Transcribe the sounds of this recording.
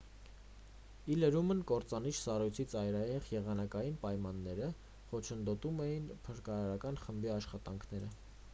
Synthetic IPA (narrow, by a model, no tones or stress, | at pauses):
iləɾumənkɔɾt͡sɑnit͡ʃʰsɑrujt͡sʰit͡sɑjɾɑjɛʁjɛʁɑnɑkɑjinpɑjmɑnːɛɾə | χɔt͡ʃʰənd̪ɔt̪umɛjinpʰəɾkɑɾɑɾɑkɑnχəmbiɑʃχɑt̪ɑŋkʰnɛɾə